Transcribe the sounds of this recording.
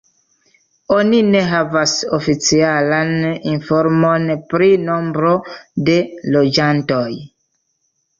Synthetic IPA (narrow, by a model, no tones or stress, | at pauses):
onine̞ɦavasofit͡sialaninfo̞ɾmo̞npɾino̞mbɾo̞de̞lo̞d͡ʒanto̞j